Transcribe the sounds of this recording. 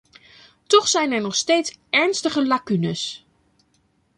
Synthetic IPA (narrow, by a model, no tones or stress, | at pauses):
tɔχsɛjnɛɹnɔχsteːtsɛɹnstəχəlakynəs